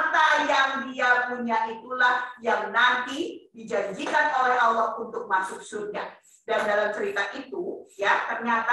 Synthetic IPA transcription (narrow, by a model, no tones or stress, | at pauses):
t̪ajaŋdiapuɲaʔit̪ulahjaŋnant̪idid͡ʒaɲd͡ʒikanolɛhalːɔhunt̪ʊk̚masʊk̚suɲa | dandalamt͡ʃəɾit̪aʔit̪ujat̪ərɲat̪a